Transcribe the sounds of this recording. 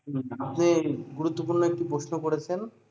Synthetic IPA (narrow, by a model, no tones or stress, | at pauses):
apniɡuɾut̪ːopuɾnoek̚ʈipɾoʃnokoɽet͡ɕʰen